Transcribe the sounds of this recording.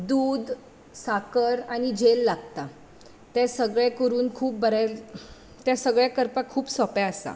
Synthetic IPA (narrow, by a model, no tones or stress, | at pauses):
d̪uːd̪ | sakəɾaɽ̃id͡ʑelːaɡt̪a | t̪asəɡɭɛkəɾuːnkʰuːp̚bəɾajl | t̪jasəɡɭjakəɾpakʰːuːpsɔpjaəsa̰